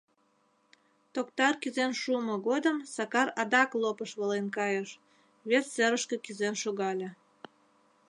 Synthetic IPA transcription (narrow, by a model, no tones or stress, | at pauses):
t̪okt̪ɑrkyzenʃuəmoɣod̪əmsɑkɑrɑd̪ɑklˠopəʃβəlenkɑjəʃ | βesseɾəʃkĕkyzenʃoɣɑlʲĕ